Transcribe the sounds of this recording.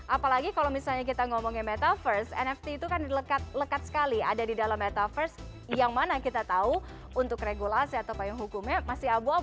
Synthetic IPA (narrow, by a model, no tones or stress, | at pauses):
ʔapalaɡikalomisalɲak̬it̪aŋɔmɔŋimɛt̪afərsɛ̰nɛft̪iːt̪ukandiləkat̪̚ləkat̪̚sə̥kalia̰dadidalamːɛt̪afərs | jaŋmanakit̪at̪au | unt̪ʊkreɡulasiat̪aupaɪŋɦukʊmɲamasiabua